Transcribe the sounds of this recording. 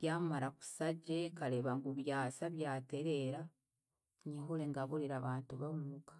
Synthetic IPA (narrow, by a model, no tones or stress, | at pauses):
ɡjamaɾaku̥saɟekaleβaŋɡuβjaːsaβjaːteɾeɾa | ɲiɦuleŋɡaβuliɾaβaːntuβaumukḁ